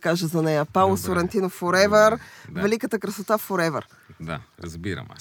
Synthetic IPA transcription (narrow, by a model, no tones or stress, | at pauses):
kaʒəzɐnɛjɐpalˠosoɾɛnt̪inofoɾɛvəɾvɛlikət̪əkɾɐsot̪afoɾɛvəɾ | d̪a̰ɾɐzbiɾɐ̰m